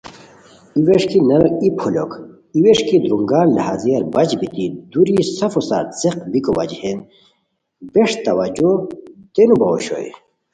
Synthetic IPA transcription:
iweʂkinɐɾipʰulo̰k | iweʂkid̪ɾuŋɡaːlnɐ̰ɦaziɐlbɐt͡ʃbit̪id̪uɾisɐfosa̰ɾseqbikowɐ̰d͡ʑhen | beʂt̪ɐwɐd͡ʑot̪enubɐo̰ɕo̰j̰

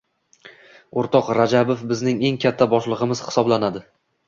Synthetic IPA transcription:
oɾt̪ʰɒqɾad͡ʒabofbɪznɪŋe̞ŋkʲʰat̪ʰːabɒʃlˠɨʁɨmɪz̥hɪ̥sɒblanad̪ɪ

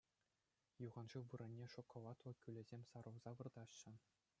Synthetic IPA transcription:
juʁɑnʐɯʋɯɾɘ̆nʲːeʂokŏlˠɑt̪lˠɤ̆kʲylʲɘ̆zʲemʲsɑɾɤ̆wzɑʋɯrd̪ɑɕːɘ̆

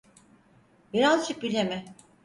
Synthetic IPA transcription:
biɾazˠt͡ʃʰɯk̚bilʲemɪ

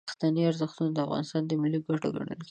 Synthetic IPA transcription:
xt̪aniaɾzəxt̪unod̪əafɣɑ̰nɪst̪ɑnd̪əmɪlːiɡaʈo̰ɡa̰ɳə̰lki

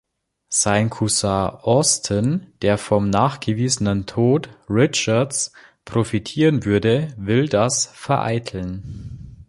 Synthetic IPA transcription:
z̥aɪnkʰusaʔɔstʰənd̥eːɐfɔmnaːχɡ̥əviːzənəntʰoːtʁɪt͡ʃɐts | pʁ̥ofitʰiːʁənvʏɐdəvɪldasfɛɐʔa̰ɪtʰl̩n

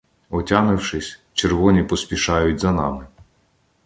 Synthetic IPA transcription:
ɔtʲanɪwʃɪsʲt͡ʃerʋɔnʲipɔsʲpʲiʃɑjʊtʲzɐnɑ̰mɪ

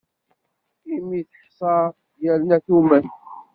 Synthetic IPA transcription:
imiθəħsˤɑɾ | jælnæθumæn

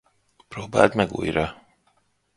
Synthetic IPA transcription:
proːba̰ːlt̪mɛɡṵːjɾɒ

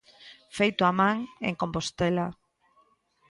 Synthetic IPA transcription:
fejt̪oamãŋḛŋkompost̪ela

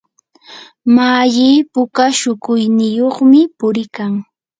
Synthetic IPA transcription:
maʎiːpʊkaʃʊkʊjnɪjoχmɪpʊɾɪkaŋ

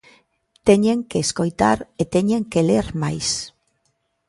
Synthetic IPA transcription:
t̪eɲeŋkeːsko̞jt̪aɾet̪eɲeŋkeleɾmajs

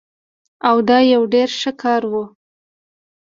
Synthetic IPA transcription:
awd̪ɑjawɖeɾʃəkʰɑɾwu

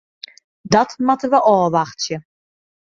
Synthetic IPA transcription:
dɑtmatəʋəʔɔːʋɑχtjə

